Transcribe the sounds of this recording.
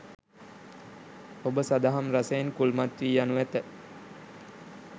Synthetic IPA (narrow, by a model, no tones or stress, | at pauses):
obəsad̪aɦamrasejenkulmat̪ʋiːjanuʋæt̪ə